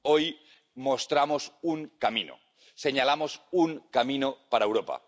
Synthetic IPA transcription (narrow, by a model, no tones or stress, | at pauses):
oj | most̪ɾamosuŋkamĩno̰ | se̞ɲalamosuŋkamĩnopaɾaewɾopa̰